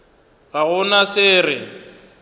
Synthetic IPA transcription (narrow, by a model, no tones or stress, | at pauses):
ɣaɣʊnasɪːrɪ